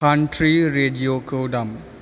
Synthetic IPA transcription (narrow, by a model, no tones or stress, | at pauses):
ãɳʈɾiɾeɖiokowɖɐm